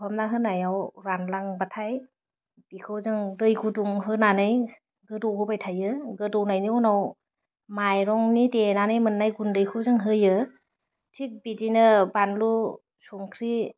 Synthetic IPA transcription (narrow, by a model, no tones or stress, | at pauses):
pʰamnaɦɯnajawɾanlaŋbatʰaj | bikʰɯwzɯŋdɯjɡʰuduŋɦɯnanɯj | ɡɯdɔwɡʰɯbajtʰajɯɡɯdɔwnajniɔnaw | majɾɔŋnitenanɯjmɯnːajɡundɯjkʰɯwzɯŋɦɯjɯ | tʰik̚bidinɯbanlu | sɔŋkʰɾi